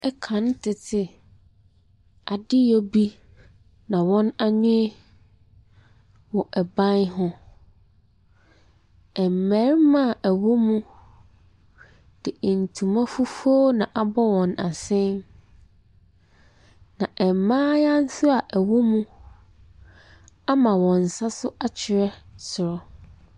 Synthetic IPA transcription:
ɛ˦kʰã˨n˦tʰɪ˨tʰɪ˨ | a˨dɪ˦jɔ˦bi˦ | nã˨wɔ̃˦na˦ɲɪ̃˦ | wɔ˨ʔɛ˨bã˦nɦʊ̃˦ | ɛ˨m̩˨mɛ˨˦ɾmã˦˨ʔæ˨wo˦mũ˦ | d̥ɪ˨n̩˨tʰũ˨mã˦fu˦fu˦o˦nã˨ʔa˨bɔ˦wɔ̃˨na˨sɪ̃˦n | nã˨ʔɛ˨m˨mãː˦jã˦n̩˦sʊ˦a˨ʔæ˨wo˦mũ˦ | a˦mã˨wɔ̃˨n˨sa˦sʊ˦ʔa˦t͡ɕʰɪ˨ɾɛ˦sʊ˨ɾɔ˦

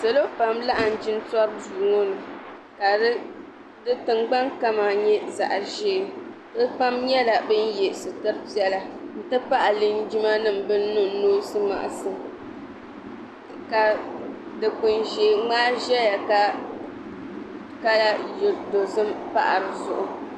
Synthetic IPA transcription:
so˨lo˦pa˨mla˦ʔa˨n̩˨d͡ʒi˦n˦tɔ˦b̚zuː˨ŋo˦nɨ˨ | ka˨˦ | dɨ˦tɨ˨ŋɡ͡ba˦ŋka˦maː˨ɲɛ˦za̰˨ʔa˨ʒeː˦˨ | bɨ˦pa˦mɲɛ˦la˨bɨ˦n˦jɛ˨sɨ˨tɨ˦ɾpi˦ɛ˦la˦n̩˦tɨ˦pa˦ʔa˨lɨ˦nd͡ʒi˦ma˦nɨ˦m̩˨bɨ˦n˦nu˦n̩˦noː˦sɨ˦ma̰˨ʔa̰˨sɨ˦ | ka˨dɨ˨k͡pɨ˨nʒeː˨ŋ͡maː˦ʒɛ˦ja˨ka˨ | ka˦la˦˨do˨sɨ˦mpa̰˦ʔa̰˨ɾɨ˨zʊ˨ʔʊ˨

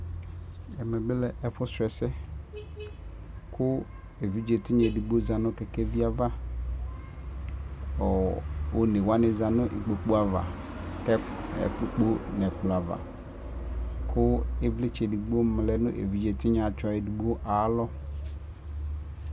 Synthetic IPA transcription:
ɛ˨mɛ˨bɪ˦lɛ˨ʔɛ˨fʊ˦sʊ˨ɛ˨sɛ˦ | kʰʊ˦ | e˨vi˦d͡ʒe˨tɪ˦ɲɛ˨di˨ɡ͡bo˦za˨nʊ̃˦kɛ˨kɛ˦vi˦a˦va˦ | ɔ˨o˨ne˨wa˦nɪ˨za˨nʊ̃˦ʔi˨k͡po˨k͡po˦a˨va̰˨ | kɛ˦ | ɛ̰˨k͡pk͡po˦nɛ˨k͡pla˨va̰˨ | kʰʊ˦e˦vlɪ˦t͡ʃɛ˨di˨ɡ͡bo˦m˨lɛ˦nʊ̰̃˦ʔḛ˨vi˦d͡ʒe˨tɪ˦ɲã˨t͡ʃɔ˨e˨di˨ɡ͡bo˦ʔa˨˦lɔ˦

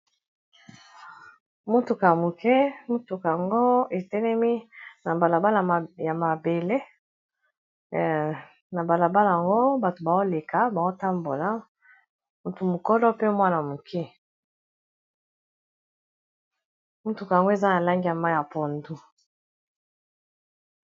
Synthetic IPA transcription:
mu˦tu˨ka˨ja˨mu˨kɛ˦mu˦tu˨ka˨a˨ŋɡo˦e˨tɛ˦lɛ˦mi˦na˨ba˨la˨ba˦la˨ja˨ma˨be˨le˦ | na˨ba˨la˨ba˦la˨ja˨ŋɡo˦ba˨to˨ba˨o˦le˨ka˨ba˨o˦ta˦mbo˨la˦ | mu˨tu˨mu˨kɔ˦lɔ˦pe˦mwa˦na˨mu˨kʰɛ˦ | mu˦tu˨ka˨ja˨ŋɡo˦e˨za˦na˨la˦ŋɡi˦a˨ma˦ja˨po˨ndu˦

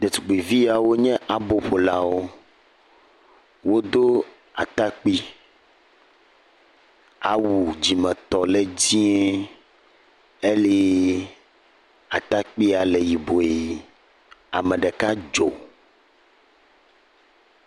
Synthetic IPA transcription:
d̪e˨t̪u̥˨ɡ͡be˨vi˦a˨wo˦ɲɛ̃˦ʔa˨bo˨ɸo˨la˦wo˦ | wo˦d̪o˦ | a̰˨t̪a˦k͡pi˦ | a˨wu˨d͡ʑi˨mɛ̃˨t̪ɔ˨le˦d͡ʑĩ˦ɛ˦ | e˦lɛ˦ | a˨t̪a˦k͡pi˦a˨le˨ji˨bo˨e˨ | a̰˨mɛ̃˨ɖɛ˨ka˦d͡ʒo˨

